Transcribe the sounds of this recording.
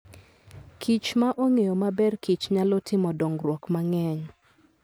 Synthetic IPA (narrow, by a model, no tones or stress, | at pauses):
kʰit͡ʃmaʔoŋejomabɛrkit͡ʃɲalotʰɪmɔdoŋɾwɔkmaŋɛɲ